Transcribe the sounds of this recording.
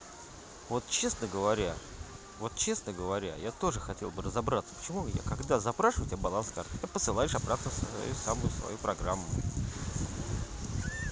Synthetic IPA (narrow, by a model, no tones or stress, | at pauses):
vo̞t̪̚t͡ɕe̞snəɡəvɐɾʲa | vo̞t̪̚t͡ɕe̞snəɡəvɐɾʲa̰jat̪o̞ʐɨxɐtʲe̞lˠbɨrəzabɾat̪sə̥pə̥t͡ɕɪmuja̰kɐɡd̪azɐpɾaʂɨvətʲbbɐlˠanska̰rt̪japəsɨlˠajʊʂɐbɾat̪nəsɐ̰jusamʊjʊsvɐ̰jupɾɐɡramːʊ̰